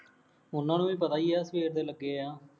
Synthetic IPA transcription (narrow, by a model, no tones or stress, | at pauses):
ʊnːãːnũːʋiːpət̪aːiːaːsʋeːɾd̪eːləɡːeːãː